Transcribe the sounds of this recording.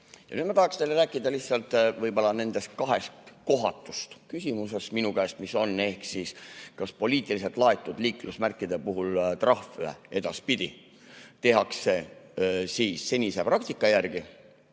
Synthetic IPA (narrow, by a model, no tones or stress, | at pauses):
jɑ̰nyːd̪̥mɑt̪ɑhɑkst̪elːeɾæːkːˑid̪̥ɑlihtsɑlt̪ˑvɤjbo̞lːɑne̞nd̪̥e̞st̪̚kɑɦe̞st̪ko̞ɦɑ̰t̪ːˑu̥st̪kysʲimuse̞sminukæest̪miso̞nːe̞hksiːskɑspo̞liːt̪ˑilis̬e̞lt̪ˑlɑe̞t̪ːˑud̪liːklusmærkˑːid̪e̞puɦult̪rɑhfyḛe̞d̪̥ɑspid̪̥i | t̪e̞ɦɑksːe̞ | siːsːe̞nʲise̞prɑk̚t̪ikːˑɑjærɡ̥i